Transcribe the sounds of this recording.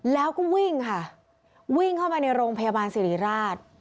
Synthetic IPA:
lɛː˦˥wkɔː˥˩wi˥˩ŋkʰa˥˩ | wi˥˩ŋkʰa˥˩wma˧na˧jɾoː˧ŋpʰa˧jaː˧baː˧nsi˨˩ɾiː˨˩˦ɾaː˥˩t̪̚

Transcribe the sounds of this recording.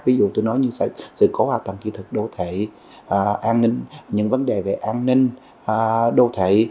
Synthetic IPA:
vi˨˦zṵ˧˨t̪o˧jnɔ˨˦jɲɨ˧sa̰˧˨sɨ̰˧˨ko˨˦haː˧˩t̪wə̰˧˨mt͡ɕi˧˩t̪ʰɨ˨˩k̚ɗo˧t̪ʰweː˧˩˨ | ʔaː˧nnï˧ŋ̟ɲɨ̰˧˥ŋvə˨˦nɗe˨˩ve˨˩ʔaː˧nnï˧ŋ̟ː˨˩ | ɗo˧t̪ʰwḛ˧˩˨

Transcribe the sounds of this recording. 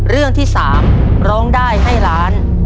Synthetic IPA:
ɾɯ˥˩əŋt̪ʰiː˥˩saː˩˦m | ɾɔː˦˥ŋdaː˥˩jɦa˥˩jɾaː˦˥n

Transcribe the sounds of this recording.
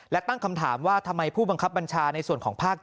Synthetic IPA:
lɛ˦˥t̪a˥˩ŋkʰa˧mt̪ʰa̰ː˩˦mwaː˥˩t̪ʰa˧mːa˧jpʰuː˥˩ba˧ŋkʰa˦˥p̚ba˧nt͡ɕʰaː˧na˧jsu˨˩ənkɔː˩˦ŋpʰaː˥˩k̚

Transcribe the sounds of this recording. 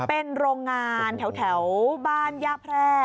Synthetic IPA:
pe˧nɾoː˧ŋːaː˧nt̪ʰɛ˩˦wt̪ʰɛ˩˦wbaː˧˥˩njaː˧˩pʰɾɛː˧˥˩

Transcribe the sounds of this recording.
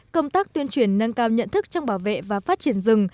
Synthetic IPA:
kə˧wŋ͡mt̪aː˦˥k̚t̪wi˧ənt͡ɕwi˧˩ənːə˧nkaː˧wɲə̰˧˨nt̪ʰɨ˦˥k̚t͡ɕɔ˧wŋ͡mɓaː˧˩wvḛ˧˨vaː˨˩faː˦˥t̚t͡ɕi˧˩ənzɨ˨˩ŋ

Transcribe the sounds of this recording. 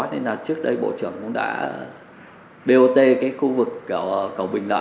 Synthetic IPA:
aː˦˥t̚ne˧naː˨˩t͡ɕɨ˦˥ək̚ɗə˧jɓo̰˧˨t͡ɕɨ˧˩əŋkʊ̰˧˥ŋ͡mɗa̰ː˧˥ | ɗe˧ʔo˧t̪e˧kaː˨˦jxu˧vɨ˨˩k̚ːkə˧˩wɓï˨˩ŋ̟la̰ː˧

